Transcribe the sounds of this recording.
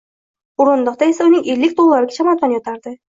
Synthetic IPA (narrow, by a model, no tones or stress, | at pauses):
ʊɾʊnd̪ɒqt̪ae̞saʊnɪŋelːɪkʲt̪ʰolˠlːˠaɾɪɡʲat͡ʃʰamat̪ɒnjɒt̪ʰaɾd̪ɪ